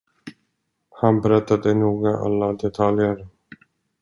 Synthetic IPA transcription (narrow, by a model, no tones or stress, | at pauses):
hanbɛɾɛt̪ːad̪ənuːɡaʔa̰lːad̪ɛt̪ʰaljəɾ